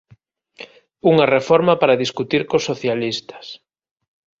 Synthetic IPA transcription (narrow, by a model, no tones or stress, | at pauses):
uŋɐrefɔɾmɐpaɾaðiskut̪iɾkosoθjalist̪ɐ̥s